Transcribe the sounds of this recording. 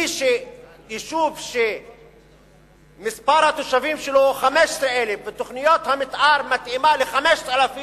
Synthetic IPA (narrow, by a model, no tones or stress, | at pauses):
iʃe | iʃuvʃe | mispaɾhat̪oʃavimʃeloχameʃsɾeelefvet̪oχnijot̪hamit̪ʔaɾmat̪imaleχameʃtalafi